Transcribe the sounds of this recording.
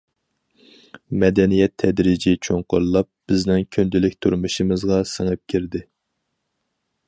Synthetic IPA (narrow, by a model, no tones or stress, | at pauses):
mɛd̪ɛnijɛt̪ʰːɛd̪ɾid͡ʒit͡ʃʰoŋqʊɾlˠɑp̚b̥ɪznɪŋkʲʰynd̪ɪlɪkʲt̪ʰuɾmuʃimɨzʁɑsəŋɨp̚kʲʰiɾd̪ɪ